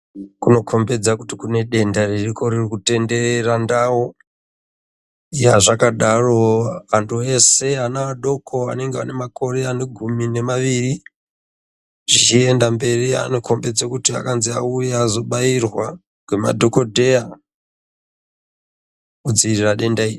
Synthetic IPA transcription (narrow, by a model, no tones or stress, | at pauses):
kuno̞kʰo̞mbe̞d͡zakutikune̞ɗe̞ndaririko̞ɾirikute̞nde̞erandawo | ijaʐakaɗaro̞antʰue̞se̞anaaɗo̞kʰo̞a̰ne̞ŋɡea̰ne̞mako̞ɾe̞ane̞ɡʱumine̞maʋiri | ʐit͡ʃie̞ndambe̞ria̰no̞kʰo̞mbe̞d͡zakutia̰kanziaujaːzo̞ɓairwa | ɡwema̰dʱo̞ko̞dʱe̞a | ud͡ziiriraɗe̞ndaiː